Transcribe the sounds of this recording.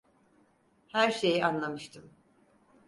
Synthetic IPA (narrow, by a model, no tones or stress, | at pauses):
hæɾʃe̞jianlˠamɯʃt̪ʰɯm